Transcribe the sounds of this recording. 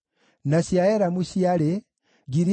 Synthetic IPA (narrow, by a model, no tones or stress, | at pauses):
nasiaeɾamuʃiaɾe | ɡiɾi